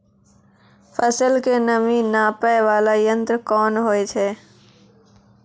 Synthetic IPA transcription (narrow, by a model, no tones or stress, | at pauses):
pʰəsəlkenəminaːpəʋaːlajə̃nt̪ɾkɔːnɦoːet͡ʃʰeː